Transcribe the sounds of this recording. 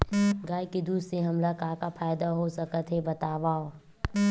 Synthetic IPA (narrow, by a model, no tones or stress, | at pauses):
ɡaːjked̪uːseɦɐmlakaːkapʰaːjd̪aɦosɐkət̪ɦebɐt̪aːʋaːo